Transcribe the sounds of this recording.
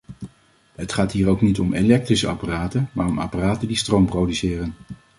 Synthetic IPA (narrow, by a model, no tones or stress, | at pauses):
ɦətχaːtɦiːɾowknitɔmelɛk̚trisəɑ̰paraːtəmaːɹɔma̰paraːtəndistrowmprowdysɪːrən